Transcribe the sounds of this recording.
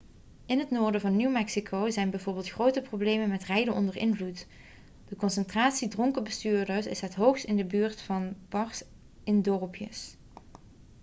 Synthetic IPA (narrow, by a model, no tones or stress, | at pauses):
ɪnɦətnoːɹdəvɑnːywmɛksikʰowzɛjnbɛjvʊːɹbɪːlˠtxrowtəprowblejmənmɛtrɛjdənʔɔndəɹɪnvlut | d̥əkɔnsəntraːtsidrɔŋkəbəstyːɹdəɹsɪ̰sɦətɦowxstɪndəbyːɹtfɑnbɑɹs | ɪndɔrpʰjə̰s